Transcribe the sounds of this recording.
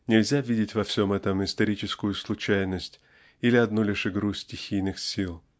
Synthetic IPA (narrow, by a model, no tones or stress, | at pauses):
nʲɪlʲzʲavʲidʲɪtʲvɐfsʲo̞mɛt̪əmɪst̪ɐɾʲit͡ɕɪskʊjʊslˠʊt͡ɕæjnəsʲtʲ | ilʲɪɐd̪nulʲɪʂɨɡɾusʲtʲɪxʲijnɨxsʲilˠ